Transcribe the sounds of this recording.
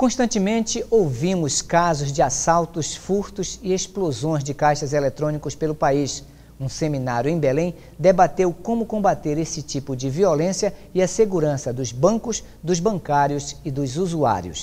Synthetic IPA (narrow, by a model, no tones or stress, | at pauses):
kõʃt̪ɐ̃nt͡ʃɪmẽnt͡ʃɪʔowvĩmʊskazʊzd͡ʒɪasawt̪ʊsfuɾt̪ʊzɪesplozõj̃zd͡ʒɪkajʃɐzelet̪ɾõnikʊspelʊpais | ũseminaɾjʊẽj̃belẽj̃ | d̪ebat̪ewkõmʊkõbat̪eɾesɪt͡ʃipʊd͡ʒɪviolẽsiɐɪɐseɡuɾɐ̃sɐd̪ʊzbɐ̃kʊs | d̪ʊzbɐ̃kaɾjʊzɪd̪ʊzuzua̰ɾjʊ̰s